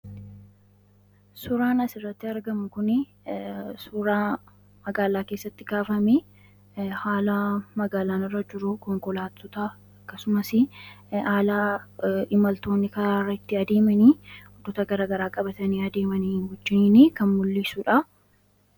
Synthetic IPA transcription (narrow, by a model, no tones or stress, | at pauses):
sʊɾaːnɐsɪrːɐt̪ːɪɐɾɡɐmʊkʊnɪ | sʊɾaː | mɐɡaːlaːkeːsːɐt̪ːɪɡaːfɐme | haːlɐmɐɡaːlaːnɪrːɐd͡ʒɪɾʊkɔŋkɔlaːt̪ːʊt̪ɐ | ɐkːɐsʊmɐsɪaːlaːɪmɐlt̪o̞ːnːɪkɐɾaːrːɐɪt̪ːɪɐd̪e̞ːmɐniːɔd̪ːɔt̪ɐɡɐɾaːɡɐɾaːkʼɐbɐt̪ɐniːɐd̪e̞ːmɐniːnhɔd͡ʒːɪnniːkɐnmʊlːisuᶑɐ